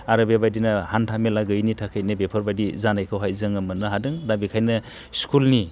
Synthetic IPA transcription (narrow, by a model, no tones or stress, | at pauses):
aɾabiabadinɐhantʰamelaɡɯjnitʰakʰajnɯbepʰɔɾbadizanajkʰɯwɦajzɯŋɯmɯnɯɦadɯŋdabikʰajnɯ | skulni